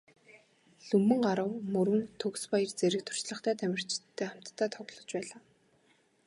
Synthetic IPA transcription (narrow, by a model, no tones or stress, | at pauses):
ɮɵmːɘ̆ŋɢaɾə̆wmɵɾwɘ̆nt̪ʰɵkspaj̆rt͡seɾɘ̆k̚t̪ʰʊ̥r̥t͡ɕɮə̆χt̪ʰæːt̪ʰæmʲɪ̆r̥t͡ɕɪt̪ʰːeːam̥t̪ʰːæːt̪ʰɔɣɮɞ̆t͡ɕpæːɮaː